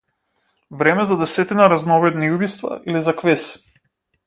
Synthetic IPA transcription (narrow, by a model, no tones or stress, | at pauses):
vɾɛmɛzad̪ɛsɛt̪inaɾaznɔvɛd̪niubist̪va̰ʔilizakvɛs